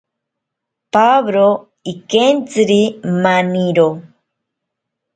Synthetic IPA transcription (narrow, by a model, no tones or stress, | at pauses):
paβɾo | ikent͡sɨɾimaniɾo